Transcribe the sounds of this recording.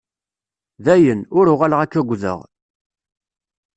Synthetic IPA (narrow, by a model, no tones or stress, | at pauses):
ðæjənʊɾʊʁalʁækːæɡʷːðə̰ʁ